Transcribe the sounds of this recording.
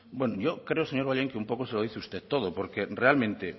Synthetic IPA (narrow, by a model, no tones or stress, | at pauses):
bwenojokɾeoseɲo̞ɾβaʎeŋkeumpo̞koseloð̞iθeust̪et̪ːoð̞opoɾkerealmẽnt̪e